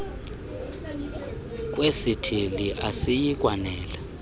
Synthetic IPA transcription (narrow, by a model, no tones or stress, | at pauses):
k̬ʼwesitʰiliʔasijik̬ʼwanɛːla